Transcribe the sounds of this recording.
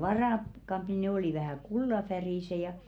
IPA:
ʋɑrɑˑkːɑmpi ne oli ʋæhæˑ kulːɑfæriˑse jɑ

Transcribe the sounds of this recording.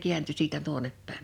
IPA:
kiænty siːtæ tuonep pæˑim

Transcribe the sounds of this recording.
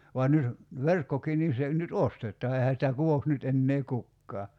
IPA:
ʋɑn nyt ʋerkːokiː nin̞ se nyt ostetˑɑː ehæ sĭtæ kuʋoks nyt enːeː kukːɑː

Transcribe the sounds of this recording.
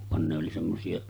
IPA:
ʋɑn ne oli semːosiɑ

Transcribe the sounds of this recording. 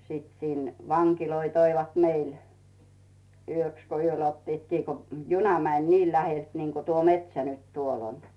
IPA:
sit sin ʋɑŋkiloi toiʋɑt meil yøks ko yøl otːiːt kiː ko junɑ mænʲ niː læhelt niːnko tuo metsæ nyt tuol on

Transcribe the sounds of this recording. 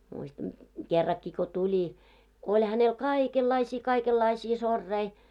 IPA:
muistɑn kerːɑkːi ko tulʲi ko olʲ hænel kɑˑikelːɑisiː kɑikelːɑisiː sorːei

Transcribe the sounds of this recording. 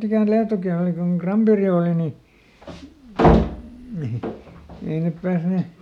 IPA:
ikæˑn liɑtoki oli koŋ krɑmperi oːli ni ei nep pæːsne

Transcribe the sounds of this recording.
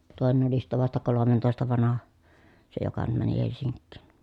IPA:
toˑenen oli sitːæ ʋɑstɑ kolomentoˑestɑ ʋɑnɑhɑ se jokɑ nym mæni helsiŋkːiˑn

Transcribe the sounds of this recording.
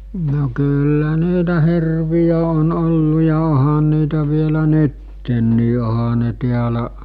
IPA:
no kylːæ niːtæ hirʋijæ on olːu jɑ ohɑn niːtæ ʋielæ nytːenːiː ohɑ ne tiælæ

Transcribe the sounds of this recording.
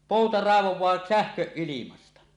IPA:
poˑutɑ rɑˑeʋowˑɑː sæhkøʔ ʔilimɑstɑ

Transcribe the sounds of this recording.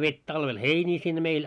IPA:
ʋetʲ tɑlʋel heinʲiː sinːe meil

